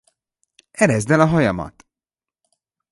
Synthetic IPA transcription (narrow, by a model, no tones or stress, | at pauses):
ɛɾɛzd̪ɛlɒɦɒjɒmɒ̰t̪